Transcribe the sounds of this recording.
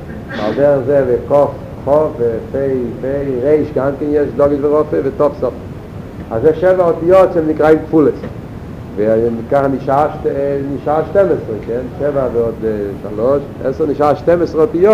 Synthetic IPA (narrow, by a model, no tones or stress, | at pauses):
a̰lˠdɛʁzevɪkɔf | χɔfvɪfeɪfeɪʁeɪʃɡaŋkɪnjɛʃdɔɡəvɪʁɔfəvɪtɔfsɔf | azɛʃɛvahɔtjɔt͡sɛmnɪkʁaɪnkfulˠəs | vɪnɪkaχnɪʃaʃtɛnɪʃaʃtɛməsɪkɛnʃɛvavɪhɔtʃa̰lˠɔʃ | ɛ̰sənɪʃtaʃtɛməsʁɔtjɔ